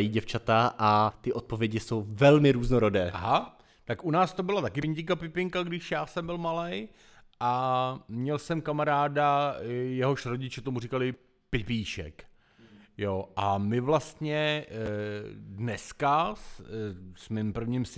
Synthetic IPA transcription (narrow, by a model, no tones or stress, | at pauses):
jiɟɛft͡ʃat̪aʔat̪ɪʔo̞t̪̚po̞vjɛɟɪso̞wvɛlmɪɾuːznoɾodɛːʔaɦa | t̪akʔunaːst̪o̞bɪlat̪akɪvɪɲɟɪkapɪpɪŋkaɡdɪʃjaːsɛmbɪlmalɛj | ʔamɲɛlsɛmkamaɾaːdajɛɦo̞ʃɾo̞ɟɪt͡ʃɛt̪omurikalɪ | pɪpiiːʃɛ̰k | joʔamɪvlast̪ɲɛ | dnɛskas | smɪmpr̩vɲims